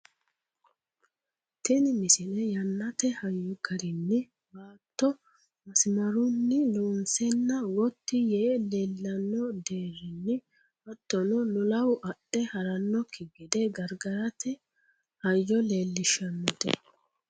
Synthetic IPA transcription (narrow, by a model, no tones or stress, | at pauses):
t̪ɛnɪmɪsɪnɛjɐnːɐt̪ɛhɐjːɔɡɐɾɪnːɪ | baːt̪ːɔ | mɐsɪmɐɾʊnːɪlunsɛnːɐwɔt̪ːɪjeːleːlːɐnːɔd̪e̞ːɾːɪnːɪ | wɐt̪ːɔnɔlʊlɐwʔɐɗɛhɐɾɐnːɔkʰːɪɡɪd̪ɛɡɐɾɡɐɾɐt̪ɛ | hɐjːɔle̞ːlːɪʃɐnːɔt̪ɛ̰